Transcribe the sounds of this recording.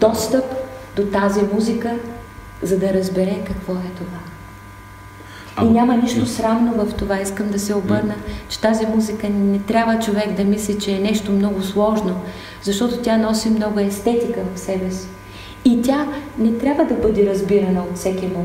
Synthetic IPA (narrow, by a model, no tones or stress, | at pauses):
d̪̥ɔst̪əpd̪ot̪azimuzikə | zɐd̪ɐɾɐzbɛɾɛkɐkvɔɛt̪ova | inʲaməniʃt̪osɾamnovɐft̪ovaiskəmd̪ɐsɛobɤɾnət͡ʃɛ̥t̪azimuzikənɛt̪ɾʲabvət͡ʃovɛɡd̪ɐmislit͡ʃɛːnɛʃt̪omnɔɡʊslˠɔʒno | zɐʃt̪ɔt̪ot̪ʲanɔsimnɔɡʊɛst̪ɛt̪ikəvɐfsɛbɛs | it̪ʲanɛt̪ɾʲabvəd̪ɐbɤd̪ɛɾɐzbiɾɐnɐot̪fsɛkʲimo